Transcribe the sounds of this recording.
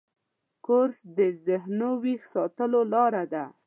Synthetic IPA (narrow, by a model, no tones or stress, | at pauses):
koɾsd̪əzɪɦnowixsɑt̪əlolɑɾad̪a